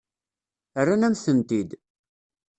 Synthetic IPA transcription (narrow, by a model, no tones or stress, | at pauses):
ərːænæmθənt̪id̪